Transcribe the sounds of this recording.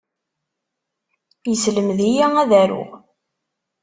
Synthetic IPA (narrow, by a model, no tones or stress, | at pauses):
jəsləmðijææðæɾʊ̰